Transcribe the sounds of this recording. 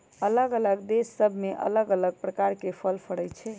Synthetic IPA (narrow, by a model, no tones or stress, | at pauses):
ələɡələɡd̪esːəbʱmeʔə̰ləɡələɡ̚pɾəkaɾkepʰəlpʰəɽəj̪t͡ʃʰɛ